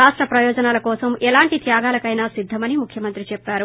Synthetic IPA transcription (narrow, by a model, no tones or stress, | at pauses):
aːʂʈɾɐpɾɐjɔːd͡ʒɐnaːlɐkɔːsɐmɛlaːɳʈit̪jaːɡaːlɐkɐjnaːsid̪ʱːɐmɐnimukʰjɐmɐnt̪ɾit͡ʃɛpːaːɾu